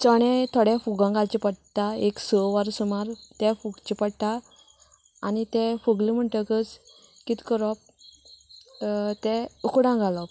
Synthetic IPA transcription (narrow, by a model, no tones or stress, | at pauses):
t͡sɔɽ̃ɛ̃t̪ʰɔɽɛfuɡãɡalt͡ɕipəɽt̪aeksɔʋaɾsumaɾt̪ɛfuɡt͡ɕipəɽʈ̪a | anit̪ɛ̃fuɡlim̤əɳʈ̪əkət͡s | kit̪kəɾɔp̚ | t̪ɛukɽãɡalɔp̚